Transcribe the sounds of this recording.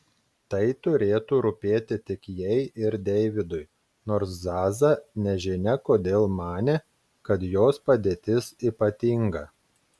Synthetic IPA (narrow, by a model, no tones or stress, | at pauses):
t̪ɐɪt̪ʊɾʲeːt̪uːɾʊpʲeːt̪ʲɪt̪ʲɪkjɛɪɪɾd̪ʲɛɪʋʲɪd̪ʊɪ | noːɾszɑːzɐnʲɛʒʲɪnʲɛkoːd̪ʲeːlˠmɑːnʲeː | kɐt̪joːspɐd̪ʲeːt̪ʲɪsiːpɐt̪ʲiŋɡɐ